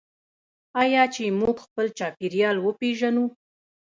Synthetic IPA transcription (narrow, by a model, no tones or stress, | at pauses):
ɑjɑt͡ʃemuɡxpəlt͡ʃɑpiɾjɑlwəpeʒanu